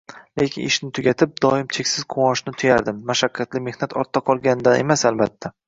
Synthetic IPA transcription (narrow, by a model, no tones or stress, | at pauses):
lekʲɪnɪʃnɪt̪ʰʊɡʲat̪ʰɪp̚d̪ɒɪmt͡ʃʰe̞kʲsɪz̥qʰʊwɒʃnɪt̪ʰʊjaɾd̪ɪmːaʃakʲʰːat̪lɪme̞hnat̪ʰɒɾt̪ʰːaqʰɒlˠɡʲanɪd̪ane̞̰masalbat̪ʰːa